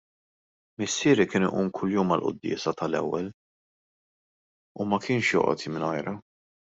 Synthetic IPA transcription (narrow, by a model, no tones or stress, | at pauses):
mɪsːɪːɾikɪːnʊ̰ʔuːmkʰʊljuːmɐlʔʊ̰d̪ːɪ̰ːsɐt̪ɐlɛ̰wːɛl | umɐkʰɪːnʃjɔ̰ːʔɔ̰t̪imɪnɔjɾɐ